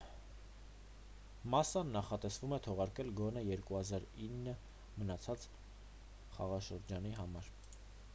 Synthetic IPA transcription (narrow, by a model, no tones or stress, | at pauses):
mɑsɑnːɑχɑt̪ɛsvumɛt̪ʰɔʁɑɾkɛlɡɔnɛjɛɾkuhɑzɑɾinːə | mənɑt͡sʰɑt͡s | χɑ̰ʁɑʃəɾd͡ʒɑniɦɑmɑɾ